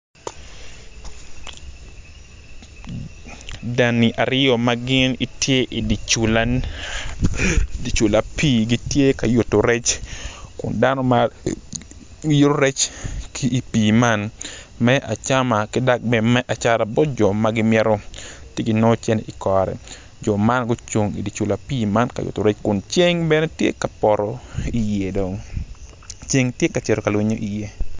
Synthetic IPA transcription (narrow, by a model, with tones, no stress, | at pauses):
da˨ni˨ʔa˨ɾɪ˦o˨ma˦ɡɪ˦ni˦tje˦ʔi˨di˨t͡ʃ | di˨t͡ʃu˨la˨piː˦˨ɡi˦tje˦ka˨jo˨to˨ɾɛ˦t͡ʃkʊ̰˨nda˦nɔ˦ma | ji˦ɾo˦ɾɛ˦t͡ʃkiː˦˨piː˨ma˦n | mɛ˦ʔa˨t͡ʃa˦ma˨kɪ˦da˦k̚bɛ˦mɛ˦ʔa˨t͡ʃa˦ɾa˨bɔ˦td͡ʒɔ˨maɡɪ˦mjɛ˦ɾo˦tje˦ɡi˨nɔ˦t͡ʃɛ˦nḛ˨ʔi˨kɔ˨ɾɛ̰˨ | d͡ʒɔ˨ma˦nɡʊ˦t͡ʃo˨ŋḭ˨di˨t͡ʃu˨la˨piː˦ma˦nka̰˨jṵ˨to˨ɾe˦t͡ʃkʊ˨nt͡ʃe˦ŋbɛ˦ne˦tjḛ˦ka˨pɔ˨ɾɔ˨i˨je˨do˨ŋ | t͡ʃe˦ŋtje˦ka˨t͡ʃɛ˨ɾo˨ka˨lwe˦ɲo˦ʔi˨je˦